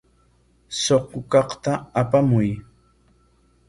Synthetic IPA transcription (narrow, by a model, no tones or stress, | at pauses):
soqːʊkɑχt̪aapamʊj